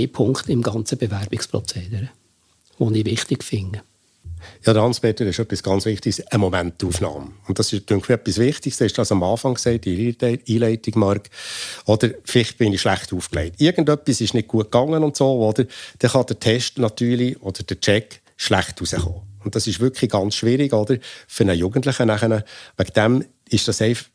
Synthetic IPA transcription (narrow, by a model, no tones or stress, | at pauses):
ɪpʰʊŋkt̪ɪmɡɑnt͡səb̥evæɾb̥ɪkspɾɔt͡seːd̪əɾə | ʋonivɪχt̪ɪkfɪŋə | jɑːd̪əɾhɑnsb̥ɛtəɾɪʃœpːisɡ̥ɑnt͡sʋɪχtɪksəmɔmæntːuːfnɑ̰ːmʊnttːdɑsɪʃtøŋkχmɪɾœpːisʋɪχtɪkstɪʃd̥ɑsɑmɑːfɑŋksɛɪt̚ːiiːlɛɪtɪɡ̥mɑɾkɔd̥̪əɾfɪlɪχb̥ɪniʃlæχtuːfklɛ̰ɪtɪɾɡ̥ən̩dœpːisɪʃnɪt̚ɡ̥uət̚kɑŋːənʊntsoːɔd̥̪əɾd̥ɛχɑd̥ətʰɛʃtnɑtyːɾliɔd̥əɾd̥ət͡ʃɛk | ʃlæχtusəχo̰ːʊnt̚dɑsɪʃʋʏkʰliɡɑnt͡sʃʋɪɾiɡɔd̥̪əɾfʏɾnəjuɡən̩tləχənæχənəʋæɡd̥æm | ɪʃd̥ɑsɛɪf